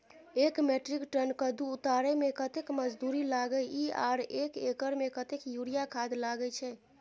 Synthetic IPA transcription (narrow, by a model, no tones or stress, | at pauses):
ekmeʈɾikʈənkəd̪uut̪aɾɛmekət̪ekməd͡ʒd̪uɾilaɡəia̰ɾekekəɾmekət̪ekjuɾijakʰad̪laɡət͡ʃʰɛ